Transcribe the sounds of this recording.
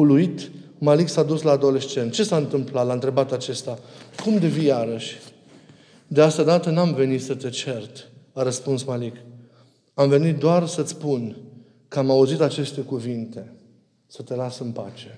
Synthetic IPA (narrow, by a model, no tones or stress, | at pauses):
uluit̪ | maliksad̪uslaːd̪o̞le̞st͡ʃe̞nt̪̚t͡ʃe̞saɨnt̪ɨmplat̪laɨnt̪ɾe̞bat̪at͡ʃe̞st̪akumd̪evijaɾəʃʲ | d̪east̪əd̪at̪ənamve̞nit̪sət̪e̞t͡ʃe̞rt̪ | aɾəspunsmalik | amve̞nit̪̚d̪oarsət̪sʲpun | kəamauzit̪at͡ʃe̞st̪e̞kuvint̪e̞ | sət̪e̞lasɨnpa̰t͡ʃe̞